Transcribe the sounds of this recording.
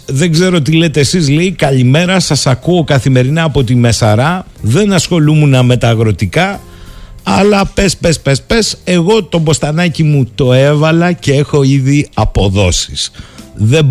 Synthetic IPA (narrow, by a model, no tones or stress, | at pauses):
ðe̞ɡze̞ɾo̞t̪ile̞t̪eːsizleikɐʎime̞ɾɐsɐsɐkuo̞kɐθime̞ɾinɐːpo̞t̪ime̞sɐɾɐ | ðe̞nɐsxo̞lumunɐme̞t̪ɐːɣɾo̞t̪ikɐ | ɐlɐpe̞spe̞spe̞spe̞se̞ɣo̞t̪o̞bo̞st̪ɐnɐcimut̪o̞e̞vɐlɐce̞exo̞iðiɐpo̞ðo̞si̥sðe̞